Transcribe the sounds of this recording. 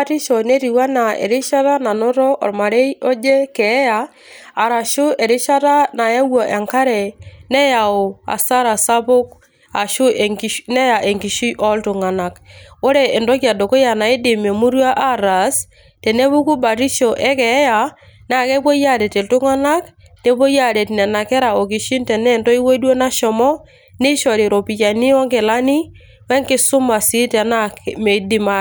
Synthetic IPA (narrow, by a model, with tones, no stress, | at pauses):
ti˦ʃɔ˨ne˦ɾi˨wa˦na˨ḛ˨ɾɪ˦ʃa˦ta˦na˨nʊ˦ɾɔ˦ʔɔ̰˨rma˨ɾe˦i˦ɔ˦d͡ʒe˦kɛ˨˦ja˨ | a˨ɾa˨ʃʊ˦e˨ɾɪ˦ʃa˦ta˦na˨ja˦wɔ˨ʔe˨ŋka˦ɾɛ˨nɛ˦ja˨ʊ˨a̰˨sa˦ɾa˨sa˦pʊ˦k̚ | a˨ʃʊ˦ʔnɛ˦ja˨ʔe˨ŋɡi˨ʃi˦ʔɔ˦ltʊ˨ŋa˨na˨ko˦ɾɛ˨ʔɪ˨ndɔ˦kja˨dɔ˨ko˦ja˨na˨e˦dɪ˨me˨mu˦ɾja˦ʔa˦ɾa˨s | tɛ˨ne˦bu˦ku˦ba˨ti˦ʃɔ˨ʔɛ˦kɛ˨˦ja˨ | na˨kɛ˦po˦ja˦dɛ˨tɪ˨ltʊ˦ŋa˦na˦k | ne˨˦po˦ja˦dɛ˨tnɛ˨na˨kɛ˦ɾa˨o˨k̬i˨ʃi˦ntɛ˨nɛ˦˨ntɔ˦i˦wo˦dwo˦na˦ʃɔ˨mɔ˦ | nɪ˦ʃɔ˨ɾi˨ɾo˨pi˨t͡ʃa˨ni˦wɔ˦ŋkɪ˨la˦ni˦ | wɛ˦ŋkɪ˦sʊ˦ma˨si˦tɛ˨na˦kme˨˦dɪ˦ma˦